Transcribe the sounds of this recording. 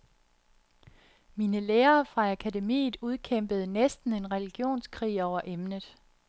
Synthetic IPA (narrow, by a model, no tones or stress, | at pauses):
miːnəleːɐːfʁɑ̈ækʰæde̝mḭːð̩ˠuð̞ˠkʰem̰b̥əð̞̩ˠnesd̥n̩e̝nʁɛliɡ̥jo̝̰ːnskʰʁḭːɒʊɐʔemnəð̞ˠ